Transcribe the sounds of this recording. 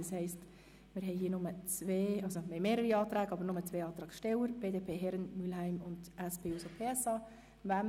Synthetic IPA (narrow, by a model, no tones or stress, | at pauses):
ɑshɛɪst | mɪɾɦɛɪɦiːənʊmət͡sʋeːɑlsomɛɪmeːɾəɾiɑːtɾæːɡəɑbəɾnʊmət͡sʋeːɑːt̪ɾɑːkʃtɛwəɾb̥eːdeːpʰeːɦɛɾənmylhæɪmʊnd̥ɛsb̥eːusopʰeːɛsɑː | væm